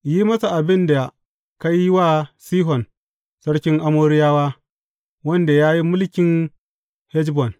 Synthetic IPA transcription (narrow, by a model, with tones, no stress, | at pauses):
ji˦mɐ˦sa˨ʔa˨bɪ˦nda˨ | ka˦jːi˦waː˦siː˦ɦɔ˨n | sɐ˦ɽkʲɪ˦ŋʔa˦moː˦ɽɪ˦jaː˦waː˦ | wɐ˦nda˨jaː˦ji˦mʊ˦lkʲɪ˨ŋ | hɛ˦d͡ʒbɔ˨n